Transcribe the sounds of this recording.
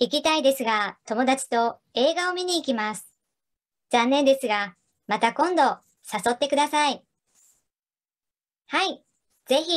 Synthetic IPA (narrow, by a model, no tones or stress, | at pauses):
ik̬ʲit̪aid̪e̞sɨɡat̪o̞mo̞d̪at͡ɕi̥t̪o̞e̞ːɡao̞mʲiɲ̟iːkʲimasɨ̥ | z̥ãnːẽnd̪e̞sɨɡa | mat̪akõ̞nd̪o̞ | saso̞t̪ːe̞kɯ̟d̪asai | hai | z̥e̞çʲi